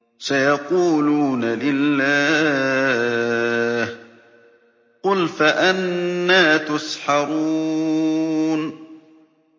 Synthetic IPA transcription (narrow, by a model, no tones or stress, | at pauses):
sajɑquːluːnalɪlːaː | h | qʊlfaʔanːaːt̪ʊsħɑɾuː | n